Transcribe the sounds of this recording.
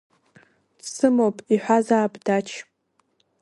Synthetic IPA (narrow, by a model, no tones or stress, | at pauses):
dsɨmopʼiħʷazaːbdat͡ʃʰ